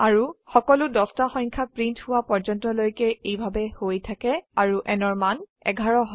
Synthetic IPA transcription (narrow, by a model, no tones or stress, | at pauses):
aɹuxɔkɔlʊdɔstaxɔ̃jŋkʰapɹinthʊwapɔɹd͡ʒɔntɔlojkɛejbʱabɛhojtʰakɛaɹuʔɛnɔɹmanɛ̰ɡʱaɹɔɦ